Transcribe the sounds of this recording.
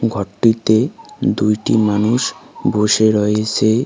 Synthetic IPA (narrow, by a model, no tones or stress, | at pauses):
ɡʱɔʈːit̪ed̪ujʈimanuʃboʃeɾɔet͡ɕʰe